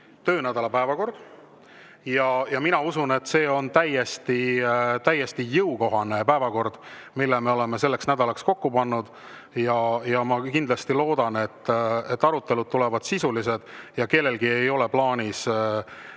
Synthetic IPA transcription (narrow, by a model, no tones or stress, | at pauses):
t̪ø̞ːnæd̪ɑlɑpæevɑko̞rd̪̥ | jɑjɑminɑusune̞t̪ːˑse̞ːo̞nt̪æje̞st̪it̪æjːest̪ijɤuko̞ɦɑne̞pæevɑko̞rd̪̥ | milːeme̞o̞le̞mese̞lːe̞ksnæd̪ɑlɑksko̞kːupɑnːud̪̥ | jɑjɑmɑkind̪̥lɑst̪ilo̞ːd̪̥ɑne̞t̪ːet̪ːˑɑɾut̪ːe̞lud̪̥̚t̪ːulevɑd̪̥sisulise̞d̪̥jɑke̞lːe̞lɡie̞jo̞le̞plɑːnʲis